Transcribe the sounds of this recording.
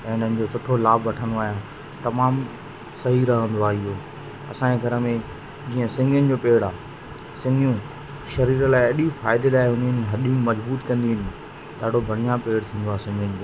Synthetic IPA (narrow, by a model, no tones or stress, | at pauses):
ɛ̃ːʊn̤ənɪ̃̆d͡ʑoːsʊʈʰolaːbʋɐʈʰə̃nd̪oaːɦijã | t̪ɐmaːm | sɐɦiːɾaɦə̃nd̪oaːɪɦoː | ɐ̰sãːeɡʱɐɾəmẽ | d͡ʑiːə̃sɪ̃ŋɡʱənɪ̆d͡ʑoːpeːɽaː | sɪ̃ŋɡijũ | ʃɐɾiːɾəlaːɪɐɗifaːɪd̪elaːɪɦʊ̃nd̪iɦʊnɪɦɐɗĩmɐzbuːt̪kɐ̃nd̪iɦɪ̃nɪ̆ | ɗaːɖ̤ʱobʱɐɽ̃ijãpeːɽt̪ʰĩːnd̪oaːsɪ̃ŋɡənɪ̆d͡ʑoː